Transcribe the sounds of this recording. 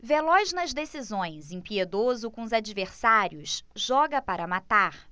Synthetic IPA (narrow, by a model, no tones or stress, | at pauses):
velɔznɐzd̪esizõj̃zẽpied̪ozʊkõʊzad͡ʒiveɾsaɾjʊsʒɔɡɐpaɾɐmat̪aɾ